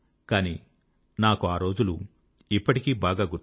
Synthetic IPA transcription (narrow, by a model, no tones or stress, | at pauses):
kaːnḭː | naːkuaːɾo̞ːd͡ʒulṵ | ipːɐʈikiːbaːɡaːɡu